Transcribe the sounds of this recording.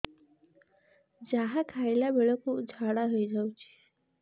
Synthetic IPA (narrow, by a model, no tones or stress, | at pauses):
d͡ʑaɦakʰajlabeɭəkud͡zʱaɽaɦəjd͡ʑawt͡ɕi̥